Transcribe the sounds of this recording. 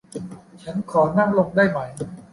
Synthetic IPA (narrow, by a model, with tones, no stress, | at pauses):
t͡ɕʰa˦˥nkʰɔː˩˦na˥˩ŋlo˧ŋdaː˥˩jma˨˩˦j